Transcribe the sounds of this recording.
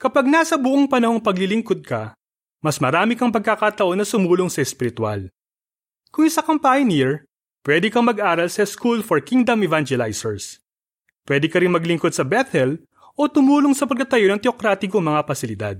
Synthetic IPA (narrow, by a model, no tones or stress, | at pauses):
kɐpaɡ̚nasɐbʊʔoŋpɐnɐho̞ŋpɐɡlɪlɪŋko̞d̪̚kɐ | mɐsmɐɾaːmɪkɐŋpɐɡ̚kɐkat̪ɐʔo̞nːɐsʊmuːloŋsɐɛspɪɾɪt̪wa̰l | kʊŋɪsɐkɐmpajoniɹ | pwɛːd̪ɛkɐmɐɡʔaːɾɐlsɐskulfoɹkiŋd̪ɐmɛvand͡ʒɛlajsɛɹs | pwɛd̪ɛkɐɾɪnmɐɡlɪŋko̞d̪sɐbɛt̪ʰɛl | ʔo̞t̪ʊmuːloŋsɐpɐɡ̚t̪ɐt̪ɐjo̞nɐŋt̪ɛokɾaːt̪ɪkoŋmɐŋapɐsɪlɪd̪a̰d̪̚